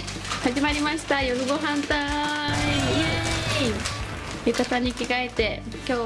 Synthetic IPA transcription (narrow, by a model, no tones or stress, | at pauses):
haʑimaɾʲimaɕi̥t̪ajoɾɯɡo̞ɦãnt̪aije | ekat̪aɲ̟ikʲikaet̪e̞ | kʲo̞ː